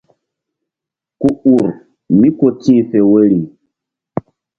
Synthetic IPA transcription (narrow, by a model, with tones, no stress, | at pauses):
ku˦u˨ɾ | mi˦ko˨tiː˦fe˨wə˦ɾi˨